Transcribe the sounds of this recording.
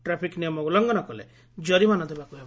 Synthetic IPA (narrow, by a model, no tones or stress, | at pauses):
ʈɾapʰiknijɔmɔulɔŋɡɔnɔkɔlḛ | d͡ʒɔɾimanɔd̪ebakuɦeb